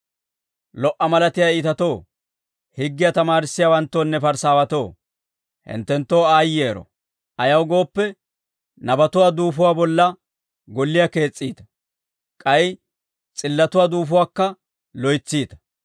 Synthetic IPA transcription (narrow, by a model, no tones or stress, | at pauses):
lɔʔɐmɐlɐt̪ɪjaiːt̪ɐt̪o̞ː | hɪɡːɪjat̪ɐmaːɾɪsːɪjawɐnt̪ːoːnːɛfɐɾsaːwɐt̪o̞ː | hɪ̰nt̪ːɛnt̪ːoːaːjeːɾɔ̰ | ɐjɐwɡo̞ːpːɛ | nɐbɐt̪ʊwaːd̪uːfʊwaːbɔlːɐ | ɡɔlːɪjake̞ːt͡sʼːiːt̪ɐ̥ | kʼɐj | t͡sʼɪlːɐt̪ʊwaːd̪uːfʊwaːkːɐ | lɔjt͡sːiːt̪ɐ̥